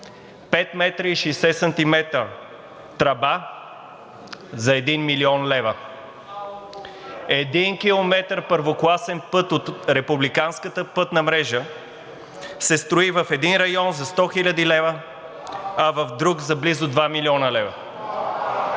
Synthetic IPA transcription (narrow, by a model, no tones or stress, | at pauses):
pɛt̪mɛt̪ɾəiʃɛjsɛsɐnt̪imɛt̪ɾə̰ | t̪ɾɐba | zɐɛd̪inmiliɔnlɛvə | ɛd̪inkilˠomɛt̪əɾpəɾvoklˠasɛnpɤt̪ot̪ɾɛpublikanskət̪əpɤt̪nəmɾɛʒə | sɛst̪ɾoivəfɛd̪inɾɐjɔnzɐst̪ɔxilʲɐd̪ilɛvə | ɐvəfd̪ɾukzɐblizʊd̪vamiliɔnəlɛvə